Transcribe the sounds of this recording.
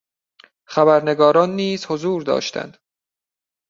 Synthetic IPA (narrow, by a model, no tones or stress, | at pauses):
χæbæɾne̞ɡɒːɾɒːnːiːz̥hozuːɾd̪ɒ̰ːʃt̪ʰæ̰nd̪̥